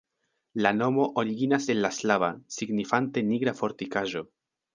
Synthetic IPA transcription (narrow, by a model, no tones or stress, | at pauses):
lano̞mo̞ʔoɾiɡinase̞nlaslavasiɡnifante̞niɡɾafo̞ɾtikaʒo̞